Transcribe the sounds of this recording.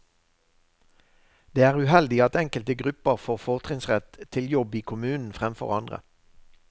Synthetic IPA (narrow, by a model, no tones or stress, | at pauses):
d̪̥eːæːʁʉhɛld̪ɪɑt̪ɛŋkəlt̪əɡʁʉpəʁfoːʁfɔʁt̪ʰʁɪŋsʁɛt̪t̪ʰɪljɔbiːkʰʊmʉːnn̩fʁɛmfɔ̰ʁɑnd̪ʁə̰